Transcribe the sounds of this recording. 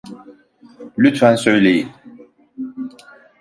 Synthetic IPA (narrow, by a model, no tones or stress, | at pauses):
lʲyt̪vænsø̞jlʲejin